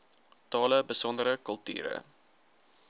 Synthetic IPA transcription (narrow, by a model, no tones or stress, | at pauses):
tɑːləbəsɔndəɾəkəlˠty̰ːɾə̰